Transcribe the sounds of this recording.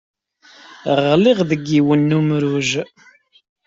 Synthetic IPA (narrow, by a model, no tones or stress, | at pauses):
ʁliʁðəɡːiwənːumɾuʒ